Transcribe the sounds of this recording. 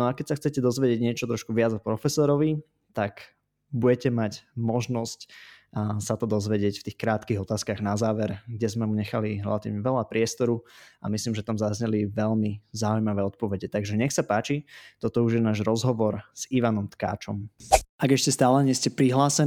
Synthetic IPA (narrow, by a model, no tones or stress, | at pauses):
nɔakɛcsaxt͡sɛcɛd̪ɔzʋɛɟɪɛɟɲɪɛt͡ʃɔt̪ɾɔʃkuʋɪad͡zpɾɔfɛsɔɾɔʋi | t̪aɡ | buɟɛcɛmacmɔʒnɔsc | sat̪ɔd̪ɔzʋɛɟɪɛcft̪iːxkɾaːt̪kiɣɔt̪aːskaɣnazaːʋɛɾɡɟɛzmɛmuɲɛxaliɾɛ̰lat̪iːʋɲɛʋɛlapɾɪɛst̪ɔɾua̰mislimʒɛt̪amzazɲɛliʋɛʎmizaujmaʋɛːɔt̪̚pɔʋɛɟɛt̪aɡʒɛɲɛxsapaːt͡ʃit̪ɔt̪ɔuʒjɛnaːʒɾɔzɦɔʋɔɾz̥iʋanɔmt̪ka̰ːt͡ʃɔmaɡɛʃcɛst̪aːlɛɲɪɛscɛpɾiɦlaːsɛ